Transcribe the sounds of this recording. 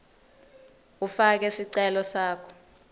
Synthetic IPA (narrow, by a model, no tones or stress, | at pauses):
ufak̬ɛsiǀɛlɔsaːkʰɔ̥